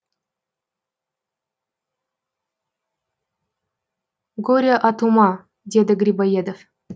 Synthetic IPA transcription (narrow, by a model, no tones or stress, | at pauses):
ɡoɾʲaʔɑt̪umɑ | dʲed̪ɘɡɾʲibajed̪of